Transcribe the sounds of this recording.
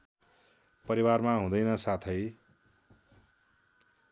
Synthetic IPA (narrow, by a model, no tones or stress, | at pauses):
pʌɾiwarmaɦũd̪ʌjnʌsat̪ʰʌj